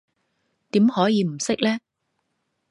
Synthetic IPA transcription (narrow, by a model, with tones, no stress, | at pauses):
t̪iː˨˥mhɔː˨˥jiː˨˧m̩˨˩sɪ˥k̚lɛː˥